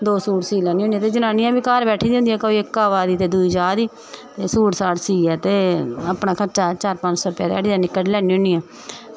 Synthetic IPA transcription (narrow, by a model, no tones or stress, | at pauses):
d̪oːsuːɽsiːlɛːniːɦoːnĩɛ̃ːt̪eːd͡ʒənãːnĩjãːbiːkaːɾbɛːʈʰiːd̪ʊ̃nd̪iːɛːkəiɪkːaːʋaːd̪iːt̪eːd̪uiːd͡ʒaːd̪iː | t̪eːsuːʈsaːʈsiːɛːt̪eːəpɽaːkʰəɾt͡ʃaːt͡ʃaːɾpə̃ɲd͡ʒsɔːɾʊpja̰ːd̪ɛ̰ːɽiːɛːnɪkːəɽlɛːniːɦõːɳiːãː